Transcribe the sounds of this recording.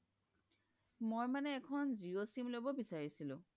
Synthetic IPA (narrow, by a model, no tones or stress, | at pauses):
mojmanɛːkʰɔnziosimlobɔbisaɹisilʊ̰̃